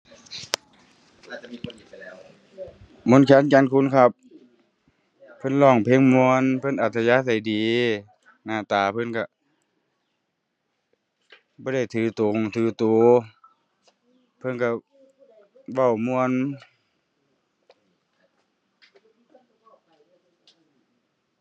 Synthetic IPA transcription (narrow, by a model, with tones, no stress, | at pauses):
mo˧˥˨nkʰɛː˧˥˨nkt͡ɕa˧˥˨nkʰu˧˥˨nkʰa˧p̚ | pʰːɤ˧˥˨nlɔː˧˩ŋpʰe˧˨ŋmu˧ə˨npʰɤ˧˥˨nʔa˨˩t̪ʰːa˧jaː˧˥˨sa˧˩jdiː˨˩ | naː˧˩t̪aː˨pʰɤ˧˥˨nka˧˨ | bɔː˧˦ɾa˧˩jt̪ʰɯː˨˩t̪o˨ŋt̪ʰɯː˨˧˩t̪uː˧˩˦ | pʰɤ˧˥˨nka˧ | ʋa˧˩˨wmu˧ə˨n